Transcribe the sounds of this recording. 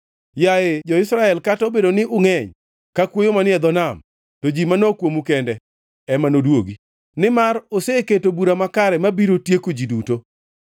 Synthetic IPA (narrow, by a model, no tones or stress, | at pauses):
jaed͡ʒɔɪsɾaɛlkatɔbedonɪʔʊŋɛɲ | kakwojomanɪɛd̪ɔnam | tod͡ʒimanɔkwomukɛndɛ | ɛmanodwoɡi | nɪmaroseketobuɾamakaɾɛmabiɾotjekod͡ʒiduto